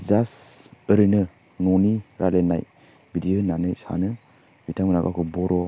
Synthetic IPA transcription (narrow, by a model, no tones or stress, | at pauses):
zasəɾɯnɯ | nɔniɾʔalena̰j | bidijonanɯjsa̰nɯ | bitʰaŋmɯna̰ɡa̰kʰubɔɾɔ